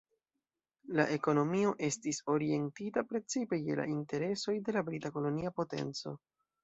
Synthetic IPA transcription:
laʔe̞ko̞no̞mio̞ʔe̞stiso̞ɾie̞ntitapɾe̞t͡sipe̞je̞̰la̰ʔinte̞ɾe̞so̞jde̞labɾitako̞lo̞niapo̞te̞̰nt͡so̞̰

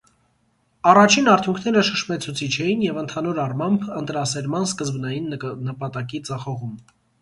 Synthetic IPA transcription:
ɑrɑt͡ʃʰinɑɾt̪ʰjuŋkʰnɛɾəʃəʃmɛt͡sʰut͡sʰit͡ʃʰɛjinjɛvənt̪ʰɑnuɾɑrmɑmbənt̪ɾɑsɛɾmɑnskəzbnɑjinːəpɑt̪ɑkit͡sɑχɔʁum

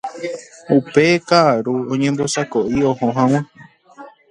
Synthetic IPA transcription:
upe̞kaʔaɾuõɲẽmbo̞sakoʔiohõɦãw̃ẽ

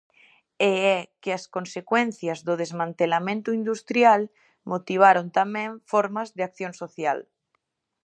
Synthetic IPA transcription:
eɛkeaskonsekwen̟θjazðoð̞ezmãnt̪elamẽnt̪uind̪ust̪ɾjal | mot̪iβ̞aɾont̪amẽɱfoɾmazðeakθjõnsoθja̰l

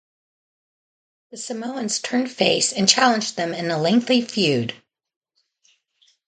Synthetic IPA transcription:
ðɨsɨmoʊɨ̃nz̥tʰɜ̃˞n̥feɪsɨ̃nt͡ʃʰælˠə̃nd͡ʒðɨ̃mɨ̃nəlɛ̃ŋk̚θifjʉd̥

